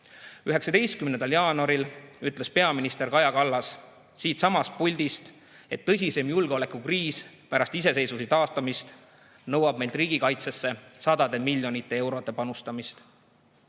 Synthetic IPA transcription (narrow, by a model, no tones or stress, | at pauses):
yɦe̞ksɑd̪e̞jst̪kymnend̪ɑljɑːnuɑɾilyt̪ˑle̞spe̞ɑminist̪e̞ɾkɑjɑkɑlːɑs | siːt̪sɑmɑst̪̚pulʲd̪̥ist̪ | e̞t̪ːɤ̞s̬ʲise̞mjulɡ̥eo̞le̞kukriːspæɾɑst̪ise̞se̞jsusit̪ɑːst̪ɑmist̪ | nɤwɑb̥̚me̞jld̪riːɡ̥ikɑjt̪se̞sːe̞sɑd̪ɑd̪e̞milʲjo̞nit̪ːˑe̞e̞wɾo̞t̪ːˑe̞pɑnust̪ɑmist̪